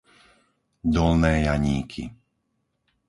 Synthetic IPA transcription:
d̪ɔlnɛːjaɲiːkʰḭ

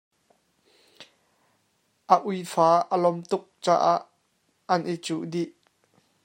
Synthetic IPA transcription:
ʔəʔujfaːʔəlɔmt̪ʊk̚t͡sa̰ːʔaʔː | ɐnʔit͡suʔdiʔ

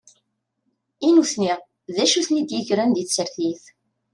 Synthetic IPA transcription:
inuθniʁ | ðæʃuθnid̪jəʝɾænd̪iθsəɾθiθ

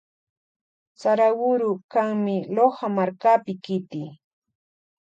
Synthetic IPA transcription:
t͡saɾawʊɾʊkaŋmɪlohamaɾkapɪkɪt̪i

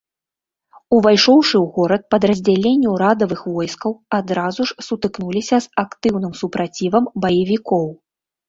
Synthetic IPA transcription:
uvajʂɔwʂɨwɣɔɾɐt̪̚pɐd̪ɾɐzʲd͡zʲalʲenʲːuɾad̪ɐvɨxvɔjskɐwad̪ɾazuʂsut̪ɨknulʲisʲɐzakt̪ɨwnɨmsupɾat͡sʲivɐmbɐjɐvʲikɔw

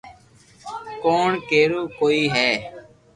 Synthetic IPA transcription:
koːɳkeːɾuːkoːiːɦɛː

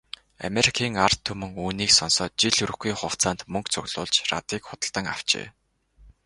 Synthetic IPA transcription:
a̰meɾikʰiːŋart̪ʰːɵmɵ̆ŋuːniːksɔnsɔːt̪̚t͡ɕiɮɵɾɵ̆xɡiːŋχʊw̥t͡saːnt̪mɵŋkt͡sʰɵɣɮʊ̰ːɮt͡ɕra̰t̪iːkχʊt̪ə̆ɬt̪ə̆ŋaw̥t͡ɕḛː

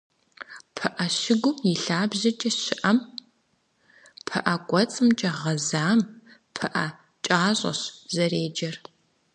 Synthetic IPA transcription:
pʰɨʔɐɕɪɡʷʊmjɪɬaːbʑɐt͡ʃʼɐɕɪʔɐm | pʰɨʔɐɡʷʼɔt͡sʼɨmt͡ʃʼɐʁɐzaːm | pʰɨʔɐ | t͡ʃʼaːʑʷʼɐ̰ɕzɐreːd͡ʒɐr

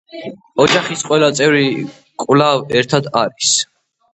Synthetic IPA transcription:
ɔd͡ʒaχisqʼwɛlat̪sʼɛvɾi | kʼvlavɛɾt̪ʰad̪aɾis

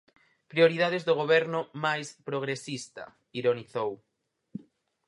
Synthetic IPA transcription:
pɾioɾið̞aðezðoɣ̞oβɛɾnʊmajspɾoɣ̞ɾesist̪ɐ̰ | iɾoniθow

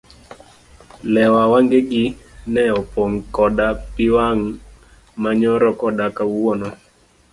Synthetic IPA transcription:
lɛwawaŋɡeɡinɛɔpoŋkɔdapɪwaŋ | maɲɔɾɔkɔdakawɔnɔ

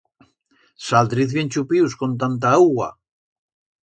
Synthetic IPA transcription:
sald̪ɾiθβjent͡ʃupiwskont̪ant̪aaɣa̰

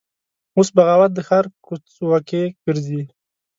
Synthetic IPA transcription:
osbaɣawat̪̚d̪əxaɾkʊt͡swakeɡ̥əɾzi

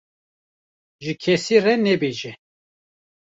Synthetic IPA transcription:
ʒɨkʰɛsirɛnɛbeʒɛ

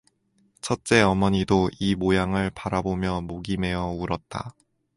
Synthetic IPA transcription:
t͡ɕʰʌt̚t͡ɕ͈e̞ʌmʌɲidoimojaŋɯɭpaɾabomjʌmoɡime̞jʌuɾʌt̚t͈a̰

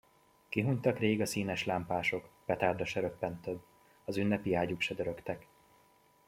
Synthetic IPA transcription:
kiɦuɲt̪ɒkreːɡɒsiːnɛʃlaːmpaːʃo̞kpɛt̪aːrd̪ɒʃɛɾø̞pːɛnt̪øbː | ɒzynːɛpiaːɟukʃɛd̪ø̞ɾø̞kt̪ɛk

